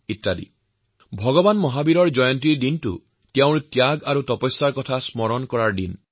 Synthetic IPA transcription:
itːadḭ | bʱɔɡɔbanmɔɦabiɾɔɹd͡ʒɔjɔntiɹdintṵ | tjaw̃ɾt̪jaɡaɾut̪ɔpɔjsːaɹkɔt̪ʰasmɔɾɔnkɔɾaɹdḭn

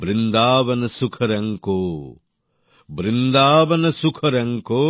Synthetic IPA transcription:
bɾind̪aːʋɐnɐsukʰɐɾɐŋkoː | bɾind̪aːʋɐnɐsukʰɐɾɐŋkoː

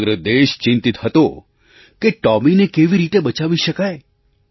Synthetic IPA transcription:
ɡɾəd̪eʃt͡ʃɪ̃nt̪it̪ɦət̪o | keʈɔminekeʋiɾit̪ebət͡ʃaʋiʃəkaj

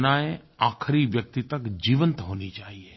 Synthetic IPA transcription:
naːe | aːkʰɾiʋjək̚t̪it̪ɐkd͡ʒiːʋə̃nt̪ɦoːnit͡ʃaːɦie

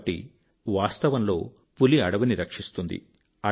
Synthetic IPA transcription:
ʈḭ | ʋaːst̪ɐʋɐnlo̞ː | puliɐɽɐʋuniɾɐkʂist̪und̪ḭ | ɐ

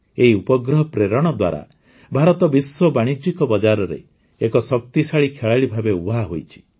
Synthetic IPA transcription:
eɦiupɔɡɾɔɦɔpɾeɾɔɽ̃ɔd̪wa̰ɾa̰ | bʱaɾɔt̪ɔbiswɔbaɽ̃id͡ʒikɔbɔd͡ʒaɾɔɾḛ | ekɔsɔk̚t̪isaɭikʰeɭaɭibʱabeubʱaɦojt͡ʃʰi̥

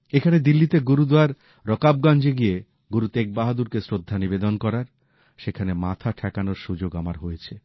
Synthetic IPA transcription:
ekʰaned̪ilːit̪eɡuɾud̪aɾ | ɾɔkab̚ɡand͡ʑeɡije | ɡuɾut̪ek̚baɦad̪uɾkesɾod̪ʱːanibed̪onkɔɾaɾ | ʃekʰanemat̪ʰaʈʰɛkanoɾʃud͡ʑoɡamaɾɦojet͡ɕʰe

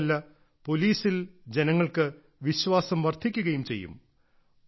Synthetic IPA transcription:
lːɐ | po̞liːsild͡ʑe̞nɐŋːɐɭkɨ | ʋiɕʋaːsɐmʋɐrt̪ʰikʲːuɣɐjumt͡ɕe̞̰jːṵm

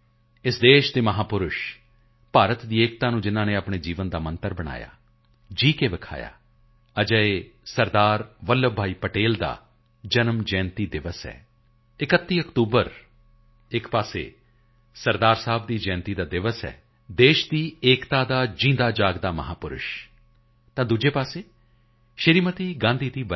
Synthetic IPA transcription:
ɪsd̪eːʃd̪eːməɦaːpʊɾʊʃ | paːɾət̪d̪iːeːk̚t̪aːnũːd͡ʒɪnãːnẽːapɳeːd͡ʒiːʋənd̪aːmə̃nt̪əɾbəɽ̃a̰ːja̰ː | d͡ʒiːkeːʋəkʰa̰ːja̰ː | əd͡ʒəeːsəɾd̪aːɾʋəlːəbʱaːiːpəʈeːld̪a̰ː | d͡ʒənəmd͡ʒɛ̃ːnt̪iːd̪ɪʋəsɛ̰ː | ɪkət̪ːiːəkt̪uːbəɾ | ɪkpaːsḛː | səɾd̪aːɾsaːb̚d̪iːd͡ʒɛ̃ːnt̪iːd̪aːd̪ɪʋəsɛ̰ː | d̪eːʃd̪iːeːkt̪aːd̪aːd͡ʒɪ̃ːnd̪aːd͡ʒaːɡd̪aːmə̰ɦaːpʊɾʊ̰ʃ | t̪ãːd̪ud͡ʒeːpaːseː | ʃəɾiːmət̪iːɡãːnd̪iːd̪iːbə

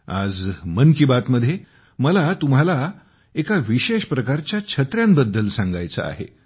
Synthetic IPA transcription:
a̰d͡zmənkibat̪məd̪ʱːje | məlat̪um̤ala | ekaʋiɕeɕpɾəkaɾt͡ɕjat͡ɕʰət̪ɾjambəd̪ːəlsãŋɡa̰jt͡sə̰a̰ɦḛ

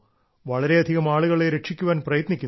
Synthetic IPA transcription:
ʋɐɭɐɾe̞ɐd̪ʱiɣɐmaːɭuɣɐɭe̞ɾeʈʂikʲːuʋaːnprɐjɐt̪nikʲːun

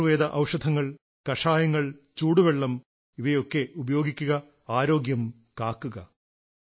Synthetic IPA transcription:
ʋeːd̪ɐʔɐwʂɐd̪ʱɐŋːɐɭ | kɐʂaːjɐŋːɐɭt͡ɕuːɽuʋeɭːɐm | iʋɐjo̞kːe̞ubɐjo̞ːɡikʲːuɣɐ | aːɾo̞ːɡjɐm | kaːkːuɣɐ

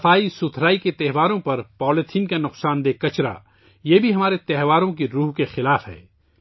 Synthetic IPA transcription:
ɐfaːisʊt̪ʰɾaːiket̪ɛɦʋaːɾõpɐɾpɔːlɪt̪ʰiːnkanʊqsaːnd̪eːkɐt͡ʃɾa̰ː | jeːbʱiɦɐmaːɾet̪ɛɦʋaːɾõkiɾuːɦkexɪlaːfɦɛ̰ː

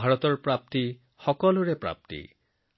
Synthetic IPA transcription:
aɾɔt̪ɔɾpɾap̚t̪i | hɔkɔluɾepɾa̰p̚t̪ḭ

